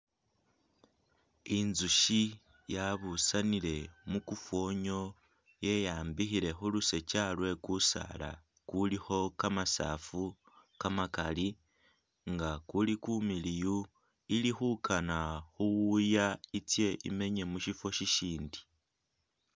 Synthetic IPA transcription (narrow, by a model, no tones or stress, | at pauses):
inzuʃi | jaβusanile̞mukufo̞ɲo̞ | je̞jaːmbixiɾe̞xuluse̞t͡ʃalwe̞kusa̰la̰ | kulixo̞kamasa̰fu | kamakali | ŋɡakulikumiliju | ilixukʰanaxuwujait͡sje̞ʔḭme̞ɲe̞muʃifo̞ʃiʃiːndi